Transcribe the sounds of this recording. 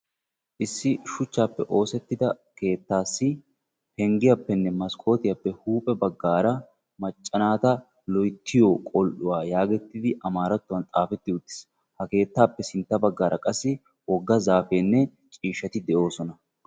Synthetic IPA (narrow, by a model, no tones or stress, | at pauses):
ʔɪsːɪʃʊt͡ʃːaːpːɛʔo̞ːsɛt̪ːɪd̪ɐ | ke̞ːt̪ːaːsːɪ | hɛŋɡɪjɐpːɛnːɛmɐskʰo̞ːt̪ɪjɐpːɛhuːpʼɛbɐɡːaːɾɐ | mɐt͡ʃʼːɐnaːt̪ɐ | lɔjt̪ʰːɪjoːkʼɔlʔʊwaːjaːɡɛt̪ːɪd̪ɪʔɐmaːɾɐt̪ːʊwɐnt̪ʼaːfɛt̪ːɪʊd̪ːɪ̥s | hɐke̞ːt̪ːaːpːɛsɪnt̪ːɐbɐɡːaːɾʔɐkʼɐsːɪ | wɔɡːɐzaːfeːnːɛ | t͡ʃʼiːʃːɐt̪ɪd̪ɛʔo̞ːsɔnɐ